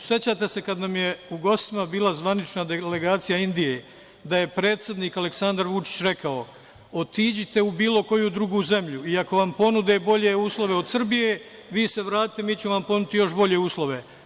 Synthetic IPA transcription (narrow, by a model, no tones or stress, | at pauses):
sje̞t͡ɕat̪e̞se̞kad̪namjeuɡo̞st̪imabiːlˠazʋanit͡ʃnad̪ele̞ɡaːt̪sijaind̪ije̞ | d̪aje̞pɾe̞ːt̪sje̞d̪niːkale̞ksand̪aɾʋut͡ʃi̥t͡ɕɾe̞kʰao̞ | o̞t̪iːd͡ʑit̪e̞ubiːlo̞ko̞jud̪ɾuɡuːze̞mʎuiako̞ʋampo̞nud̪ebo̞ʎe̞uːslˠo̞ʋe̞o̞d̪sr̩bije | ʋiːse̞ʋɾaːt̪i̥t̪emiːt͡ɕemoʋampo̞nut̪ijo̞ʃbo̞ʎe̞uːslˠo̞ʋe̞